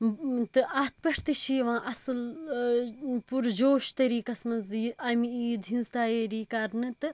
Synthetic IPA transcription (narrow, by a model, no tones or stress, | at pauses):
t̪ɨʔaːt̪̚ʰpɐʈʰt̪ɨʃʰiːʋãːʔɐsɨl | puɾd͡ʒoːʃt̪ɐɾiːkɐsmɐnziɐmiiːd̪ɦĩnzt̪aːjeɾiːkɐɾnɨt̪ɨ